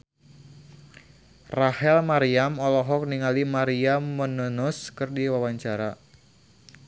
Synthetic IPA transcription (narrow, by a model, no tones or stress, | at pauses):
rahɛlmaɾiamɔlɔɦɔk̚niŋalimaɾiamːənənuskɨrdiwawaɲt͡ʃaɾa